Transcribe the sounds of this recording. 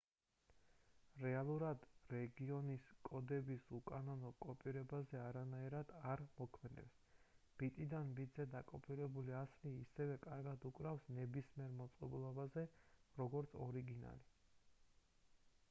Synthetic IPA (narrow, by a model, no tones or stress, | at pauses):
ɾɛalˠuɾad̪ɾɛɡiɔniskʼɔd̪ɛbisukʼanɔnɔkʼɔpʼiɾɛbazɛaɾanaiɾad̪̥aɾmɔkʰmɛd̪ɛ̰ps | b̥it̪ʼid̪anbit̪zɛd̪akʼɔpʰʼiɾɛbuliasliːsɛvɛkʼaɾɡad̪ukʼɾafsnɛbismiɛɾmɔt̪sʼqʼɛbulˠɔbazɛɾɔɡɔɾt̪sʰɔɾiɡina̰li